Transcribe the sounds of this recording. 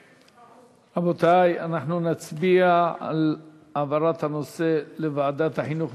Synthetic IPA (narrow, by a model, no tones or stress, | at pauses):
abot̪ajanaħnunat͡sbiaa̰l | avaɾat̪hano̞se̞levaːd̪at̪haħinuχ